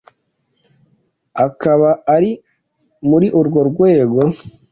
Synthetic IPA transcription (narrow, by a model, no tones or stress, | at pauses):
akaβaaɾi | muɾiʔuɾɡo̞ɾɡwe̞ːɡo̞